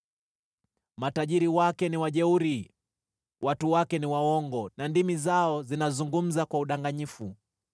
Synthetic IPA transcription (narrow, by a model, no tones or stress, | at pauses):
mataʄiɾiwakɛniwaʄɛuɾi | wʔatuwakɛniwawɔŋɡɔnandimizaɔzinazuŋɡum̩zakwauɗaŋɡaɲifu